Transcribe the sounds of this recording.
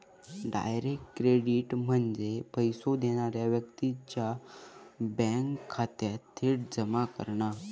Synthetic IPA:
ɖa̰jɾekʈkːɾeɽiʈm̤əɳd͡zepəjsod̪eɽ̃aɾjaʋjək̚t̪it͡ɕja | bɛ̃ŋkʰːat̪at̪ʰːeʈd͡zəmakə̰ɾɳa

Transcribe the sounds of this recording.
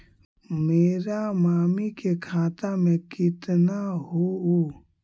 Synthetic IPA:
meːɾamaːmikekʰaːt̪amẽkɪt̪naɦoo

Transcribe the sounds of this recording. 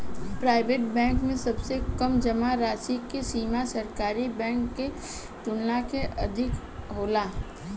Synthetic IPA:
pɾaːɪʋeːʈbɛ̃ːŋkmẽsɐbsekəmd͡ʒəmaɾaːsikesiːmasəɾkaːɾibɛ̃ːŋkːe | t̪ʊnlakeʔɐd̪ʱɪk | ɦoːlaː

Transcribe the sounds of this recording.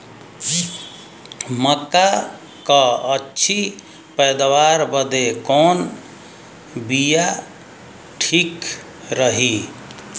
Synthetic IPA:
məka | kəətːt͡ʃʰi | pəjd̪waɾbəd̪ekon | bija | ʈʰik | ɾəɦi

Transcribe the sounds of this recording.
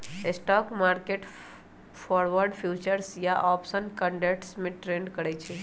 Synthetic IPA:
esʈɔkmaɾkeʈ | fɔɾʋəɾɖfʰjut͡ʃəɾsjaʔɔpsənkəɳɖeʈsmẽʈɾeɳɖkəɾet͡ʃʰe

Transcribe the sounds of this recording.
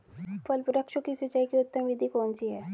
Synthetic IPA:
pɐlpʊɾəkʃõkisɪt͡ʃaikiʊt̪ːəmʋɪd̪ʱikɔːnsiɦɛː

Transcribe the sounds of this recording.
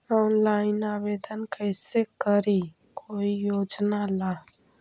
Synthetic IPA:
ɔːnlaːɪnaːʋed̪ənkəɪsekəɾi | koːijoːd͡ʒnala

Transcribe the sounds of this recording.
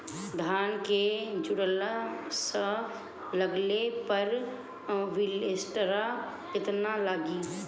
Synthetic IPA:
d̪ʱaːnked͡ʒʊɽəlasə | ləɡlepəɾ | ʋɪlesʈɾa | kɪt̪nalaːɡiː

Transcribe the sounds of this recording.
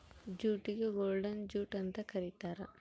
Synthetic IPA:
d͡ʒuːʈiɡeɡoːɾɖɐnd͡ʒuːʈɐnt̪ɐkɐɾit̪aːɾɐ

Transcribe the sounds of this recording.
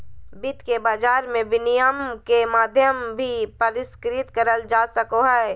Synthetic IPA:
bɪt̪kebaːd͡ʒaːɾmẽbɪnɪjəmkemaːd̪ʱjəmbʱipəɾɪskɾɪt̪kəɾəld͡ʒaːsəkoɦɛe

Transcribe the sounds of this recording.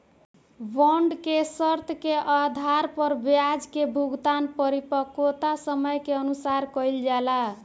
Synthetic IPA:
bɔɳɖkesəɾt̪ʰkeʔad̪ʱaɾpəɾbjad͡ʒkebʱuɡt̪anpəɾipəkot̪asəməjkeənusaɾkəjld͡ʒala

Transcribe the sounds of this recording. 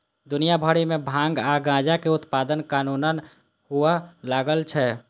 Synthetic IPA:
d̪unijabʱəɽimẽbʱãŋɡaɡãd͡ʒakeut̪pad̪ənkanunən | ɦualaɡəlt͡ʃʰɛ

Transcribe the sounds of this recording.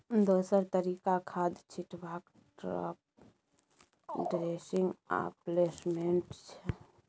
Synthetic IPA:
d̪oːsəɾt̪əɾikakʰad̪t͡ʃʰiʈbak | ʈɾa̰p̚ | ɖɾesiŋɡa̰pleːsmeɳʈt͡ʃʰɛ

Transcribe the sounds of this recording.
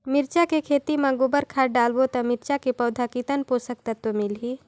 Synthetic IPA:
mɪɾt͡ʃakekʰeːt̪imãɡoːbəɾkʰaːʈ̚ɖaːlbot̪ɐmɪɾt͡ʃakepɐːd̪ʱakit̪ənposək̚t̪ɐt̪ːomɪlɦiː

